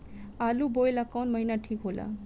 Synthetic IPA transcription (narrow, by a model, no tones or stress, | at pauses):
alubojlakɔnmʌɦijnaʈʰikɦola̰